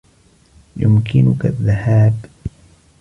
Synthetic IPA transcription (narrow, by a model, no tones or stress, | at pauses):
jʊmkɪnʊkaðːahaːb